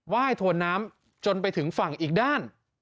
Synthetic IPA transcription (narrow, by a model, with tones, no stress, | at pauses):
waː˥˩jt̪ʰu˧ənːaː˦˥m | t͡ɕo˧npa˧jt̪ʰɯ˩˦ŋfa˨˩ŋʔiː˨˩k̚daː˥˩n